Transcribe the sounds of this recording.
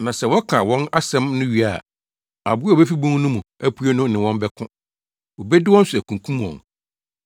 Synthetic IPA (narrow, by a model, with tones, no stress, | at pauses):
nã˨sɛ˨wɔ˦kʰã˨wɔ̃˦na˦sɛ̃˦mnʊ̃˦ɥi˨a˨ | a̰˨bʊ˦˨bɛ˦fi˦bũ˦ŋ˦nũ˦mũ˨æ˦pʰu˦e˦nʊ̃˦nɪ̃˨wɔ̃˦m˦bɛ˦kʰʊ̃˦ | wo˨bɛ˦dɪ˦wɔ˦n˦sʊ˨æ˨kũ˨ŋkʰũ˦m˨ɔ̰̃˨n